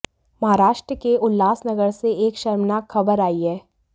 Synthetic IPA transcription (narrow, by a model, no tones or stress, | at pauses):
mɐɦaːɾaːʃʈɾəkeʊlːaːsnɐɡəɾseeːkʃɐɾmnakxɐbəɾaːiɦɛː